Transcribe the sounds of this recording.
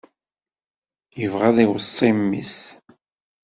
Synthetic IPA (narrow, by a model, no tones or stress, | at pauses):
jəvʁæðiwəsˤːimːḭs